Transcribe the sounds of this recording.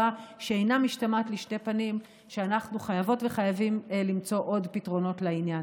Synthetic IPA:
aʃeejnamiʃtamatliʃte̞panim | ʃeanaχnuχajavo̞tve̞χajavimlimt͡so̞ʔo̞dpitʁo̞no̞tlainjan

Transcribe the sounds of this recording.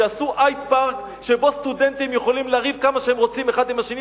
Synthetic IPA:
easuʔajt̪paʁk | ʃebo̞st̪ud̪e̞nt̪imjeχolimleːʁivkamaʃehemʁo̞t͡simeχad̪imhaʃeni

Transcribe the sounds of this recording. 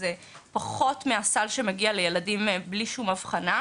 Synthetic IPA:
ze | paχo̞tmeasalʃe̞meɡialejeladimbliʃumavχana

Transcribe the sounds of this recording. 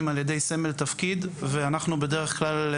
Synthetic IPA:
imalje̞d̪e̞jseme̞lt̪afkid̪veanaχnube̞deʁeχklal

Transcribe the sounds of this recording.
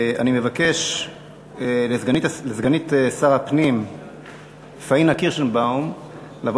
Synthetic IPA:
a̰nimevake̞ʃ | lezɡanilezɡanitesaʁapnim | fainakiʁʃonbawm | lavo

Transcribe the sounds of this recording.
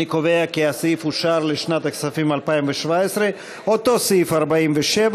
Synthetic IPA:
ikoveakeasifuʃaɾleʃnat̪aksafimalpaimveʃvaesɾe | ot̪o̞sifaʁbaimveʃev

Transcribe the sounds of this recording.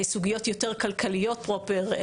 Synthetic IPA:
suɡijo̞t̪jo̞teʁkalkʰalijo̞t̚pʁopeʁ

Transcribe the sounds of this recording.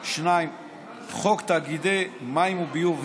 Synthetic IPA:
ʃnaim | χokt̪aɡid̪emaimubijuv

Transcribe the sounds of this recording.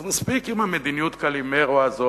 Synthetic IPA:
maspikimamed̪inijut̪kalimeʁuazo

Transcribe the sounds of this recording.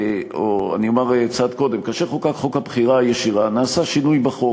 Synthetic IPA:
oa̰niomaʁkt͡sad̪ko̞d̪e̞mkaʃeχokakχo̞khabχiʁaajeʃiʁanaːsaʃinujbaχo̞

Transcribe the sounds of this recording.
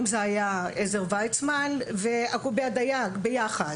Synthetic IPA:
mzeajaezeʁvajt͡smanveakubead̪ajaɡbejaχad

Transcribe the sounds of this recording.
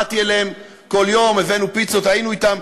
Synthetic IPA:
t̪ielem | ko̞ljo̞meve̞nupit͡so̞t̪ajinuit̪am

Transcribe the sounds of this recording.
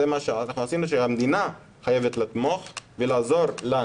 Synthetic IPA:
emaʃeanaχnuasinuʃehamd̪ina | χaje̞vet̪lat̪mo̞χvelaːzo̞ɾla

